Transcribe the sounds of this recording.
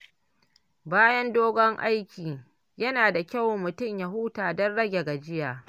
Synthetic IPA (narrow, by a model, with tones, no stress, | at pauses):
baː˦jɐ˦ndoː˦ɡɔ˦ŋʔa˦jkʲiː˨ | jɐ˦naː˨da˨kʲa˦˨wmʊ˨tʊ˦˨mja˨ɦuː˦taː˨dɔ˦nɽɐ˦ɡʲe˨ɡa˨d͡ʒɪ˦jaː˨